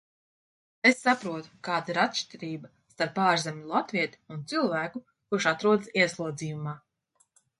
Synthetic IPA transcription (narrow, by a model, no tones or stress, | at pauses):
esːapɾuɔt̪u̥kaːd̪aiɾat̪ʃt̪ʲiɾiːba | st̪aɾpːaːɾzʲemʲulˠat̪viɛt̪i̥unt̪silˠvæːku | kuɾʃat̪ɾuɔd̪siɛslˠuɔd̪ziːjumaː